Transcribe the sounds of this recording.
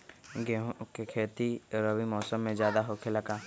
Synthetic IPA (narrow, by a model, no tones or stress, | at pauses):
ɡeɦõkekʰeːt̪iɾəʋimɔːsəmːẽzjaːd̪aɦokʰelɐɡaː